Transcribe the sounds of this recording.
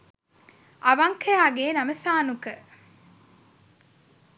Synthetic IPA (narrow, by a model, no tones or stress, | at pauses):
ʔɐʋɐŋkɐjaːɡeːnɐməsaːnukə